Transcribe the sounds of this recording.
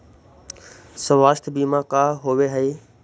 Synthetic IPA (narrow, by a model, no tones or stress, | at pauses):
səʋaːʃt̪ʰbiːmãkaːɦoʋeɦəiː